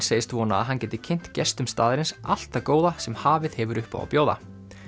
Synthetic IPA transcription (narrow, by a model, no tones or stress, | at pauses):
seːjɪst̪vɔːna̰ːðɦancɛːt̪ɪ̥cʰɪn̥t̪cɛst̪ʏmst̪aːðɪɾɪnsʔal̥t̪akoːwðasɛmhaːvɪðhɛvʏɾʏhpa̰wa̰wpjoːwða̰